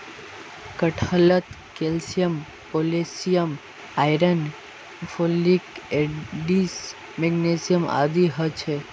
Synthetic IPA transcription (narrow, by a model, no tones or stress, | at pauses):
kəʈʰələt̪ | kelsijəm | polesijəm | ajɾən | fʰolikeɖis | mɛɡnesijəma̰d̪iɦət͡ʃʰe